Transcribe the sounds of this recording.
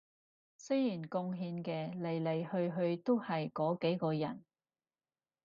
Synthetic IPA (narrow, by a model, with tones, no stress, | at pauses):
sɵ˥jjiː˨˩nkʊ˧ŋɦiː˧nkɛː˧le˨˩jle˨˩jhɵ˧ɥɦɵ˧ɥt̪o˥whɐ˨jkɔː˨˥ke˨˥jkɔː˧jɐ˨˩n